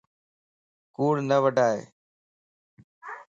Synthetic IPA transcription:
kuːɽnəʋəɖʱaːɦḛː

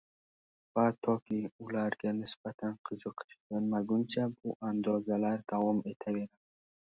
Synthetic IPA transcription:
vat̪ʰɒkʰʲɪʊlaɾɡʲanɪsb̥at̪ʰanqʰɨzɨqʰɨ̥ʃɡʲanmaɡʊnt͡ʃʰabʊʔand̪ɒzalaɾd̪̥avɒme̞t̪ʰave̞ɾam

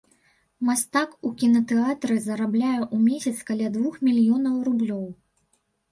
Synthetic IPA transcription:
mast̪akukʲinɐt̪ɛat̪ɾɨzɐɾablʲajɛʔumʲesʲɐt̪skalʲad̪vuxmʲilʲijɔnɐwrublʲɔw

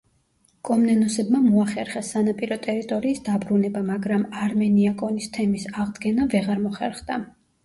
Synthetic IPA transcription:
kʼɔmnɛnɔsɛbmamɔaχɛɾχɛsanapʼiɾɔt̪ʼɛɾit̪ʼɔɾiːsd̪abɾunɛbamaɡɾamaɾmɛniakʼɔnist̪ʰɛmisaʁd̪ɡɛnavɛʁaɾmɔχɛɾχd̪a

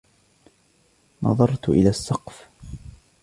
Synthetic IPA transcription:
nʔɑ̰ðˤɑɾˤt̪ʔɪ̰laːsːɑqf

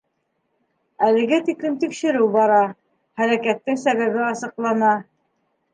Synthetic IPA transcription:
ælɘ̆ɡæt̪iklɘmt̪ikʃɘ̆ɾɘwbɑɾɑ | hæɾækæt̪ːɘŋsæβæβɘɑsɤ̆qlˠɑnɑ

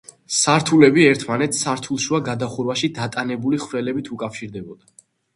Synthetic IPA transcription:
saɾt̪ʰulɛbiɛɾt̪ʰmanɛt̪sʰsaɾt̪ʰulˠʃuaɡad̪aχuɾwaʃid̪at̪ʼanɛbuliχvɾɛlɛbit̪ʰukʼafʃiɾd̪ɛbɔd̪a

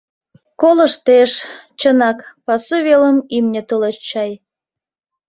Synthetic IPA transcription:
kolə̆ʃt̪eʃt͡ɕənɑkpɑsuβeləmimnʲĕt̪ulət͡ɕɑj

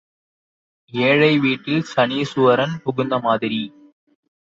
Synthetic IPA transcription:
eːɻɐɪʋiːʈːɪlsɐniːsʊʋɐɾɐnpʊɣʊnd̪ɐmaːðɪɾi

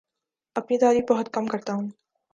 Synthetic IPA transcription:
ɐpnit̪aːɾiːfbɐɦʊt̪̚kɐmkɐɾt̪aɦũː

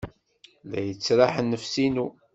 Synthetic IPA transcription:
læ̰jət͡sːɾaħənːəfsinu

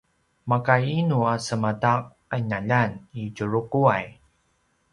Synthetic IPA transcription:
makajinuasəmatak̚ | aɲaʎanid͡ʒuɾukuaj

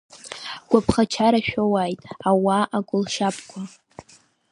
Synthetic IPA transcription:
ɡʷapʰχat͡ʃʰaɾaʃᶣowajtʼawaʔaɡʷʼʊlʃapʼkʷʰa

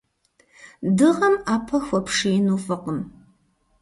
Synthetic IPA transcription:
dɨʁɐmaːpʰɐxʷɔpʰʂinuːfɐqəm

